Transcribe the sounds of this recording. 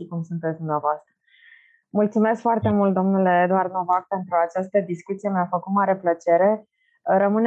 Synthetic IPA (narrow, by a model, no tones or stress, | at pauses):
ikumsunt̪etsd̪umneavoast̪ɾə | mult̪sume̞skfoart̪e̞mult̪̚d̪o̞mnule̞ːd̪uard̪no̞vak̚pe̞nt̪ɾuat͡ʃast̪əd̪iskut̪sije̞meafəkut̪maɾe̞plət͡ʃe̞ɾe̞ | ɾəmɨn